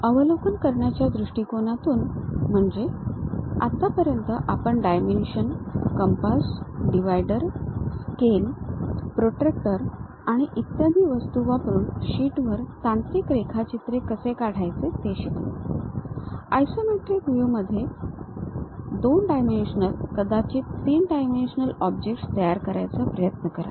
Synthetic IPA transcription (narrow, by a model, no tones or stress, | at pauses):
əʋəlokənkəɾɳjat͡ɕjad̪ɾuʂʈiːkonat̪uːnm̤əɳd͡ʑe | at̪ːapəɾjənt̪əʔapəɳɖajminuɕənkəmpasɖiʋajɖəɾskelpɾoʈɾek̚ʈəɾ | aɽ̃iʔit̪jad̪ʱiːʋəst̪uʋapəɾuːnɕiːʈʋəɾt̪ãnt̪ɾiːkɾekʰat͡ɕit̪ɾekəsekaɽ̤ajt͡set̪eɕet̪o̰ | ajsomeʈɾikʋuməd̪ʱːje | d̪onɖajmenɕənəlkəd̪ʱat͡ɕet̪iːnɖajmenɕənəlɔb̚d͡ʑek̚ʈst̪əjaɾkəɾajt͡səpɾəjət̪nəkəɾa̰